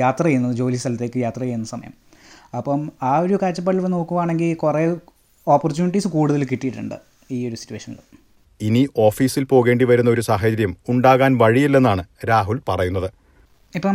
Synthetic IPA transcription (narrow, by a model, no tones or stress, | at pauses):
jaːt̪rɐjejunːɐðɨd͡ʑo̞ːlist̪ɐlɐt̪ːe̞ːkːɨjaːt̪rɐjejunːɐsɐmɐ̰jɐ̰m | ɐpːɐmaːoɾukaːt͡ɕːɐp̬ːɐɽilʋɐno̞ːkːuʋaːɳe̞ŋɡilkure | oːpːort͡ɕuːniʈːisɨkuːɽuðɐlkiʈːijiʈːuɳɖɨ̰ | iːo̞ɾusi̥tːueʂɐnːɐ̰ɭ | iniʔo̞ːfiːsilpo̞ːɣe̞ːɳɖiʋɐɾunːɐo̞ɾusaːɦɐd͡ʑɐɾjɐmuɳɖaːɣaːnʋɐɻijilːe̞nːaːɳɨɾaːɦulpɐrɐjunːɐðɨ | ipːɐm